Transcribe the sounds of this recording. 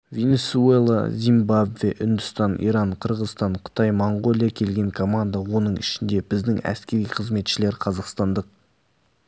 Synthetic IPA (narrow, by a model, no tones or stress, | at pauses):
ve̞nʲe̞suelˠa̰zʲimbabveʔʏnd̪ʏst̪ɑnḭɾɑɴqʰəɾʁəzst̪ɑɴqʰə̥t̪ɑjmoɴɡo̞lʲˠijakʲʰe̞lɡʲe̞ŋkʰo̞mand̪awo̞nəɴɪʃɪnd̪e̞bɪzd̪ɪŋæ̰skʲe̞ɾijqʰəzme̞t̪ʃɪle̞ɾqʰɑzɑqst̪ɑnd̪əq̚